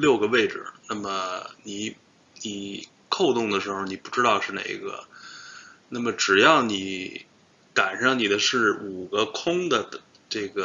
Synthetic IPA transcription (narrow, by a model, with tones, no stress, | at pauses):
ljo˥˩ʊɡə˩we˥˩ɪʈ͡ʂɻ̩̰˨˩na˥˩mə˩ni˨˧˩ | ni˨˧˩ | kʰo˥˧ʊt̪ʊ˥˩ŋd̪ə˩ʂɻ̩˧˥xo˧ʊni˨˩pu˥˩ʈ͡ʂɻ̩˥t̪ɑ˥˧ʊʂɻ̩˥˩na̰˧˥˩ɪ̰˧˥ɡə̰˧ | na˥˩mə˩ʈ͡ʂɻ̩˨˩jɑ˥˩ʊni˨˧˥ | ka˨˩nʂɑ˥˩ŋni˨˩d̪ə˦ʂɻ̩˥˩u˨˩ɡə˦kʰʊ˥ŋd̪ə˨ | ʈ͡ʂe˥˩ɡə˩